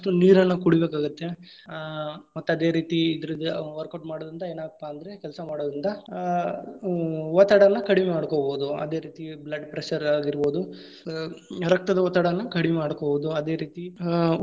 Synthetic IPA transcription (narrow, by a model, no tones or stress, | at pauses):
ʈuniːɾɐnːɐkuɽibeːkaːɡut̪ːe̞ | mɐt̪ːeɐd̪e̞ːɾiːt̪iːd̪ɐɾid̪ʋɐɾkɐʈmaːɽoːd̪ɾind̪ɐeːnaːɡɐpːaɐnd̪ɐɾe̞kɛlsɐmaːɽoːd̪ɾind̪ɐ | ʋɐt̪ːɐɽɐnːɐkɐɽimɛmaːɽkobo̞ːd̪uɐ̰d̪e̞ːɾiːt̪iblɐɖpɾeʃɐɾaːɡiɾbo̞ːd̪u | ɾɐk̚t̪ɐd̪ɐʋɐt̪ːaɽɐnːɐkɐɽimɛmaːɽkoboːd̪uɐd̪e̞ːɾiːt̪i